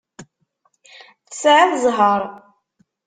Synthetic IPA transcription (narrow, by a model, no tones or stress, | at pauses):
θə̥sʕaðzˤɦəɾˤ